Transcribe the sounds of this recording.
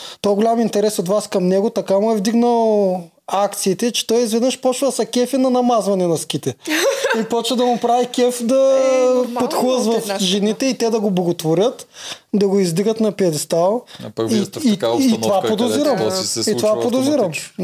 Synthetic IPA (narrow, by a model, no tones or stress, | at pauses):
t̪ɔjɡolʲamint̪ɛɾɛsot̪vaskɐmnɛɡʊt̪ɐkamʊɛvd̪iɡnəlˠ | akt̪siːt̪ɛt͡ʃɛ̥t̪ɔjizvɛd̪nəʃpɔt͡ʃvəsɐkʲɛfinɐnɐmazvɐnɛnɐskʲit̪ɛipɔt͡ʃvəd̪ɐmʊpɾavikʲɛfd̪ɐ | pot̪xlˠəzvɐfʒɛnit̪ɛit̪ɛd̪ɐɡoblˠɐɡot̪voɾʲət̪d̪ɐɡoizd̪iɡət̪nɐpiɛd̪st̪alˠiiit̪ovapɾod̪oziɾɐmiovapɾod̪oziɾɐm